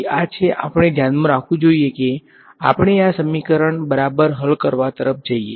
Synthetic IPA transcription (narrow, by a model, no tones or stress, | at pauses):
at͡ʃʰeʔa̰pəɽ̃ed̪ʱjanmãɾakʰʋũd͡ʒoieke | a̰pəɳ̃easəmikəɾəɳbəɾabəɾɦəlkəɾʋat̪əɾəf̚ʰd͡ʒəiḛ